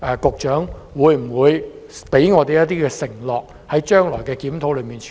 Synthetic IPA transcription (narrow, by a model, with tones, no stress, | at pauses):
ʔɛː˨˧kʊ˨k̚t͡ʃœː˨˥ŋwuː˨˧jm̩˨˩wuː˨˧j | pe˨˥jŋɔː˨˧t̪e˨jɐ˥t̚t̪iː˥kɛː˧sɪ˨˩ŋlɔː˨k̚ | hɐ˨˥jt͡ʃœː˥ŋlɔː˨˩jkɛː˧kiː˨˥mt̪ʰo˨˥wlɵ˨˧ɥmiː˨nt͡ʃʰ